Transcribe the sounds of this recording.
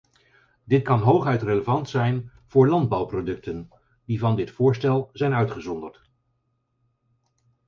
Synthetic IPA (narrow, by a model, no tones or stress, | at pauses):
dɪt̚kɑnɦowχœɥtreləvɑntsɛjn | v̥ʊːɹlɑnd̚bɑwprodɵk̚tən | divɑndɪtfʊːɹstɛlˠzɛjnœɥtχəzɔndəɹt